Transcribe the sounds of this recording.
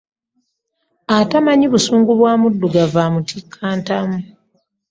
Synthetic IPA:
atamaɲiβusuːŋɡuβwaːmudːuɡavamutʰikʰːaːntamu

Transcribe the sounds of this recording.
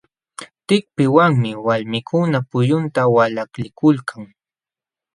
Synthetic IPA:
t̪ɪk̚pɪwaŋmɪwalmɪkʰʊnapʊjʊnt̪awalaklɪkʊlkʰaŋ

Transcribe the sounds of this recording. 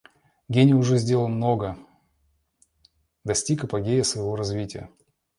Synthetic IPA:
ɡʲenʲɪʊʐɛzʲdʲe̞ləlˠmno̞ɡə | d̪ɐsʲtʲikɐpɐɡʲejəsvəjɪvo̞ɾɐzvʲitʲɪjə̰

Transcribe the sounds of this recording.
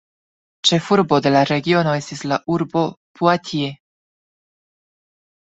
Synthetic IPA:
t͡ʃe̞fuɾbo̞d̪e̞laɾe̞ɡio̞no̞e̞stislaʔuɾbo̞puat̪ʰie

